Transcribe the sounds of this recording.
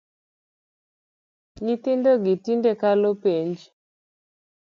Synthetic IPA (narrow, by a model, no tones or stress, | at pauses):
ɲitindɔɡitindɛkalopeɲd͡ʒi